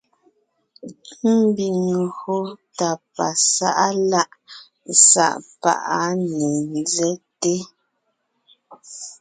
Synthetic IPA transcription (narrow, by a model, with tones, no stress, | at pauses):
m̩˦bi˨ŋu˨ho˦ta˨pa˨sa˦ʔa˦la˦ʔ | sa̰˦˨ʔpa̰˦ʔa˦nɛ˨n˦zɛ˦te˦